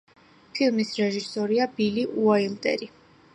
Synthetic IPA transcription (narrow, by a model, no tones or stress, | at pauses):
pʰilˠmisɾɛʒisɔɾiabiliʔuailˠt̪ʼɛ̰ɾi